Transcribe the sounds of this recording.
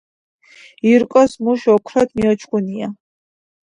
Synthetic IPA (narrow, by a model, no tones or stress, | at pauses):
iɾkʼɔsmuʃɔkʰɾɔd̪miɔt͡ʃʰkʼunia